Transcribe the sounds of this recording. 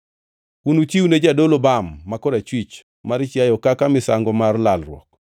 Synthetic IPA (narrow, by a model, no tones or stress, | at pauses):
unut͡ʃiwuned͡ʒadolobamːakɔdat͡ʃwit͡ʃ | maɾt͡ʃjajɔkakamɪsaŋɡɔmarlalrwɔ̰k